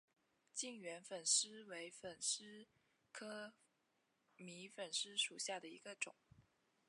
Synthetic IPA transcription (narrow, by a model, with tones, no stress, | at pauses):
t͡ɕi˥˩ŋɥɛ˧˥nfə˨˩nʂɻ̩˥we˧˥ɪfə˨˩nʂɻ̩˥ | kʰɤ˥ | mi˧˥fə˨˩nʂɻ̩˥ʂu˨˩ɕja˥˩d̪ə˩ḭ˧˥ɡə˧ʈ͡ʂʊ˨˩˦ŋ